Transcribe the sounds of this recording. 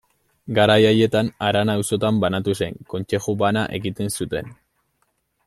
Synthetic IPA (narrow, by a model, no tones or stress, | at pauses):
ɡaɾajaje̞t̪anaɾanaːwso̞t̪ambanat̪use̞̰ŋko̞nt͡ʃe̞ʝubanaʔe̞ɣit̪e̞nsut̪e̞̰n